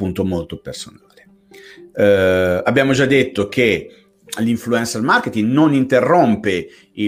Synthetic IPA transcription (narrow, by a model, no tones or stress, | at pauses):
unt̪omolt̪opersonaːle | abːjaːmod͡ʒad̪ːet̪ːokʰe | liɱfluɛnsermarket̪iŋɡnonint̪erːompe | i